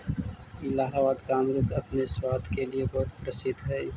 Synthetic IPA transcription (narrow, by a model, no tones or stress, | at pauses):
ɪlaːɦaʋaːd̪kaːmɾʊɡ̪ɐpneswaːd̪keliebɔːt̪pɾəsɪt̪ɦɛː